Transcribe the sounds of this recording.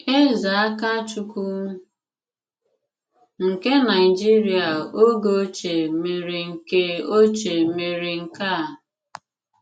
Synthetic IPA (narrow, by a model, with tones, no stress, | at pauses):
e˦za˨a˦ka˦t͡ʃu˦ku˦ | ŋ̩˨ke˦na˨ɪ˨d͡ʒi˦ɾi˨a˨o˦ɡo˦t͡ʃe˨me˨ɾe˨ŋ̩˨ke˦o˦t͡ʃe˨me˨ɾe˨ŋ̩˨ka˦˨